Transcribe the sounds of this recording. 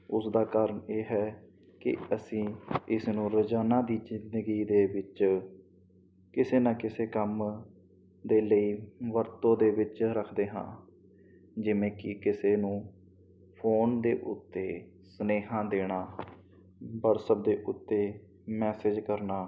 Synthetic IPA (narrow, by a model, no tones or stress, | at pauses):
ʊsd̪aːkaːɾəɳeːɦɛː | kɪ̰əsĩːɪsnũːɾəd͡ʒaːnaːd̪iːzɪnd̪əɡiːd̪eːʋɪt͡ʃ | kɪseːnãːkɪseːkəm | d̪eːləiːʋəɾt̪õːd̪eːʋɪt͡ʃɾəkʰd̪eːɦã̰ː | d͡ʒɪʋẽːkɪkɪseːnũː | pʰoːnd̪eːʔʊt̪ːeː | səneːɦãːd̪eːɽ̃aː | bəɾsəb̚d̪eːʔʊt̪ːeː | mɛːsɪd͡ʒkəɾnaː